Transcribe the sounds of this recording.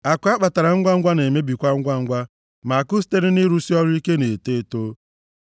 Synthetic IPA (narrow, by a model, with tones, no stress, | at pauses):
a˨kʷa˦k͡pa˨ta˨ɾa˨ŋ̩˦ɡʷa˦ɡʷa˦ne˨me˦bi˨kʷa˦ŋ̩˦ɡʷa˦ŋ̩˦ɡʷa˦ | ma˨a˨kʊ˦s̬i̥˦te˦ɾɪ˦ni˦ɾu˦si˦ɔ˦ɾʊ˦i˦ke˦ne˨te˦to˦